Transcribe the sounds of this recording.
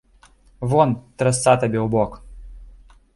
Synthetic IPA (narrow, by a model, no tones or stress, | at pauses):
vɔnt̪ɾɐst̪sat̪ɐbʲewbɔk